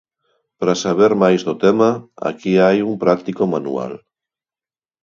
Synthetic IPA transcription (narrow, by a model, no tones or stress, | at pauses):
pɾasaβ̞eɾmajzðot̪emaa̰kiajumpɾak̚t̪ikomanṵa̰l